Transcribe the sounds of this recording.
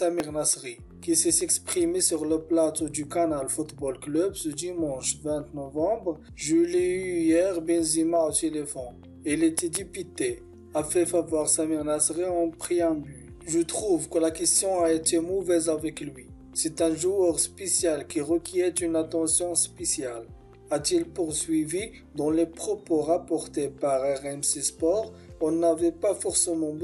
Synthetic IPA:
tamiʁnasʁi | kisɛsɛkspχimesyʁləplat̪od̪ykanalfut̪bɔlklœbsəd̪imɑ̃ʃvɛ̃t̪nɔvɑ̃bʁ | ʒyleyjɛʁbɛnzimaot̪elefɔ̃ | ilet̪ed̪ipyt̪e | afɛfavwaʁsamiʁnasʁiɑ̃pχiɛ̃by | ʒət̪χuvkəlakʲɛst̪jɔ̃aet̪emɔvɛzavɛklɥi | sɛt̪ɛ̃ʒuœʁspesjalkʲiʁəkʲiɛt̪ynat̪ɑ̃sjɔ̃spesjal | at̪ilpuʁsɥivi | d̪ɑ̃lepχɔpoʁapɔʁt̪epaʁɛʁɛmsespɔʁ | ɔ̃navɛpafɔʁsemɑ̃b

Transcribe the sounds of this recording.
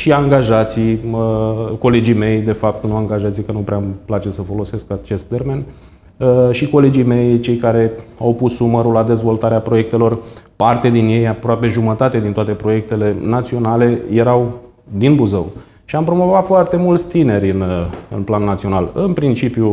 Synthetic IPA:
ʃiaŋɡaʒat̪sijəko̞le̞d͡ʒijme̞jd̪e̞fap̚t̪unuaŋɡaʒat̪sijkənupɾeamplat͡ʃe̞səfo̞lo̞seskəat͡ʃest̪ːe̞rme̞n | ʃiko̞le̞d͡ʒijme̞jt͡ʃe̞jkaɾe̞awpusnuməɾulːad̪e̞zvo̞lt̪aɾeapɾo̞je̞k̚t̪e̞lo̞rpart̪ed̪injejapɾoape̞ʒumət̪at̪ed̪int̪oat̪e̞pɾo̞je̞k̚t̪e̞le̞nat̪sio̞nale̞je̞ɾaw | d̪inbuzə̰w | ʃiampɾo̞mo̞vat̪foart̪e̞mult̪sʲt̪ine̞ɾʲɨnəɨ̰nplanːat̪sio̞nalɨnpɾint͡ʃipju

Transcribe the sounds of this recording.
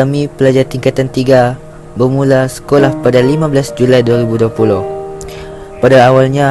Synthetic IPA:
amĩpəlad͡ʒart̪iŋkat̪ant̪iɡa | bərmũlasə̥kolahpadalimãbəlasd͡ʒulajduaɾibuduapulʊh | padaːwalɲã

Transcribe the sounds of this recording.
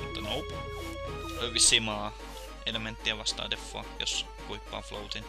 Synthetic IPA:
mut̪ːɑnoupu | øʋisimɑː | element̪ːiɑʋɑst̪ɑ̰ːd̪efːo̰ɑjo̰s | kuipːɑ̰ːflo̰ut̪in

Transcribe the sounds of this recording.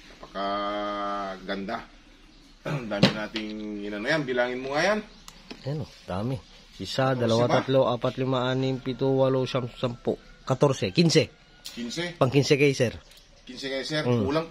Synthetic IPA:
pɐka | ɡɐnd̪a | d̪aːmɪnaːt̪ɪŋɪnɐnojanbɪlaːŋɪnmoŋajan | ɐnod̪̥aːmɪ | ʔisad̪ɐlɐwaat̪loʔaːpat̪lɪmaʔanɪmpit̪uwaloʃamsampoʔkɐt̪oɾsɛkinsɛ | kinsɛpɐŋkinsɛkajsɛɾ | kɪnsɛkajsɛɾuːlaŋ

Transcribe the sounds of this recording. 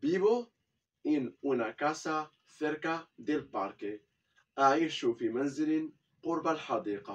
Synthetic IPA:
biβo | enunakasa | θeɾkad̪elpaɾke | aeʃufimanzilin | quɾbalħad̪iːqɑ

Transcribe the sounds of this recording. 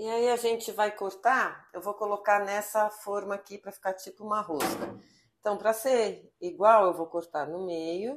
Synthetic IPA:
iaiaʒẽnt͡ʃɪvajkoɾt̪aewvowkolokaɾnɛsɐfɔɾmɐːkipɾɐfi̥kaɾt͡ʃipʊũmɐɦoskɐ | ẽt̪ɐ̃w̃pɾɐseɾiɡwawewvowkoɾt̪aɾnʊmejʊ

